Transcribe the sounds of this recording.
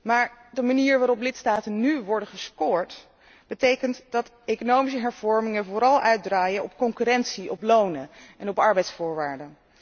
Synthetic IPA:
maːɹdəmaniːɹʋaːɾɔplɪtstaːtənnyʋɔɹdəχəskʊːɹt | b̥ətejkəntd̥ɑt | ejkonowmis̬əɦɛɹv̥ɔɹmɪŋəvoːɾɑlˠʔœɥt̚draːjəʔɔpkɔŋkyɾɛntsiʔɔplownəʔɛnɔpɑɹbɛjtsfʊːɹʋaːɹdə

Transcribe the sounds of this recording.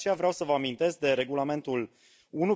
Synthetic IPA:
t͡ʃe̞javɾeawsəvəamint̪e̞sk̚d̪e̞ɾe̞ɡulame̞nt̪ul | unu

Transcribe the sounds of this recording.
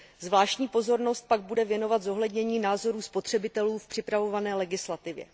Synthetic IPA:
zvlaːʃcɲiːpo̞zo̞ɾno̞st̪̚paɡ̚budɛvjɛno̞vat̪zo̞ɦlɛdɲɛɲiːnaːzo̞ɾuːspo̞t̪r̥ɛbɪt̪ɛluːfpr̝̥ɪpɾavo̞vanɛːlɛɡɪslat̪ɪvjɛ̰

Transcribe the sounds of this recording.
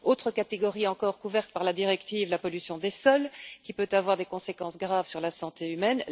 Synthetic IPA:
ot̪χəkat̪eɡɔʁiɑ̃kɔʁkuvɛʁt̪̚paʁlad̪iʁɛkt̪iːvlapɔlysjɔ̃d̪esɔlkʲipøt̪avwaʁd̪ekɔ̃sekɑ̃sɡʁavsyʁlasɑ̃t̪eymɛn

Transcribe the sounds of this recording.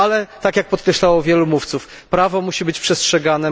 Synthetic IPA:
alɛt̪akʲjak̚pɔt̪kɾɛɕlawɔvʲjɛlumuft̪suf | pɾavɔmuɕibɘt͡ɕpʂɛstʂɛɡanɛ

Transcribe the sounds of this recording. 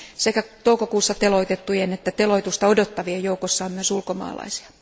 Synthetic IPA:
sekæt̪oukokuːsːɑt̪eloit̪et̪ːujenet̪ːæt̪eloit̪ust̪ɑodot̪ːɑʋiɑjoukosːɑomyøsulkomɑ̰ːlɑ̰isi̥ɑ̥

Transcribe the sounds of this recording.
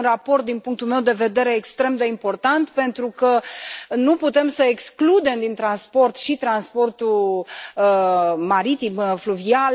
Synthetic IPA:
nrapo̞rt̪̚d̪inpuŋk̚t̪ulme̞wd̪e̞ve̞d̪e̞ɾe̞ːkst̪ɾe̞md̪e̞impo̞rt̪ant̪pe̞nt̪ɾukənuput̪e̞msəeksklud̪e̞md̪int̪ɾanspo̞rt̪ʃit̪ɾanspo̞rt̪u | əmaɾit̪imfluvial

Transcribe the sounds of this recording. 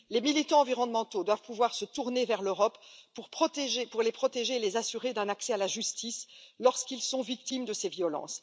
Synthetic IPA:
lemilit̪ɑ̃ɑ̃viʁɔnmɑ̃t̪od̪wavpuvwaʁsət̪uʁnevɛʁløʁɔpːuʁpχɔt̪eʒepuʁlepχɔt̪eʒeːlezasyʁed̪ɛ̃naksɛalaʒyst̪islɔʁskilsɔ̃vik̚t̪imd̪əsevjɔlɑ̰̃s

